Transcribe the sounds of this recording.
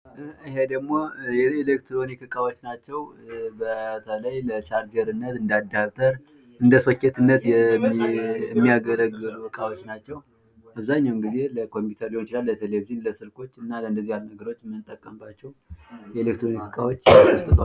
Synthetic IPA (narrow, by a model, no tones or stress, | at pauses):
ʔɨhe̞d̪əɡmo̞jɛelek̚t̪ʰɾo̞nikʰɨkʼawo̞t͡ʃːnat͡ʃːɛwbət̪ʰələjlət͡ʃaɾd͡ʒəɾɨnːət̪ɨnd̪ad̪aβt̪ʼəɾ | ʔɨnd̪əsokːet̪ʰɨnːət̪jɛ | ɛmːijaɡəɾəɡːɨlukɨkʼawo̞t͡ʃːnat͡ʃːɛw | ʔaβzaɲːawmɡize̞ləkʰo̞mput̪ʰəɾliont͡ʃɪlalːət̪ʰelebzinləsɨlkʰo̞t͡ʃːɨnːaləɨnd̪əzːihalnəɡəɾo̞t͡ʃːmːɨnt̪ʼːəkʼːəmbat͡ʃːɛwjɛelek̚t̪ɾo̞nikʰɨkʼawo̞t͡ʃːost̪ʼɨt̪ʰʼwa